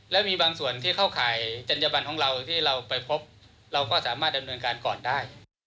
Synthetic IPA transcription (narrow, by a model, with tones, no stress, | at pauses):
lɛ˦˥wmiː˧baː˧ŋsu˨˩ənt̪ʰiː˥˩kʰa˥˩wkʰaː˩˦jt͡ɕa˧nja˧ba˧nkʰɔː˩˦ŋɾa˧wt̪ʰiː˥˩ɾa˧wpa˧jpʰo˦˥p̚ | ɾa˧wkɔː˥˩saː˩˦maː˥˩t̪̚da˧mnɤː˧nkaː˧nkɔː˨˩ndaː˥˩j